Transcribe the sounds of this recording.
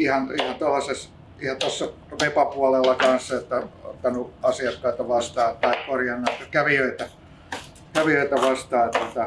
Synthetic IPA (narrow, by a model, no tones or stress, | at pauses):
ihɑnihɑnt̪olːɑses | ihɑt̪ɑsːɑ | ʋepɑpuɑlelːɑkɑnsːɑot̪ːæo̰t̪ːɑnuɑsiɑkːɑit̪ɑʋɑst̪ɑːt̪ɑikkorjɑnːɑet̪ːɑkæʋiøit̪æ | kæʋiøit̪æʋɑst̪ɑːt̪uot̪ɑ